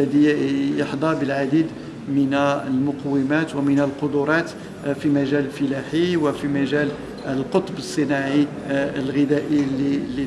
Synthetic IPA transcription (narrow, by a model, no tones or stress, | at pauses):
æd̪ijəħd̪ˤɑbəlʕad̪id̪ | mənæəlmʊqwːəmæt̪wəmənælqod̪ʊɾˤɑt̪ | fimæʒæləlfəlæħiwəfimæʒæl | əlqot̪ˤbəsˤːənɑʕi | əlɣəd̪æʔilːilːi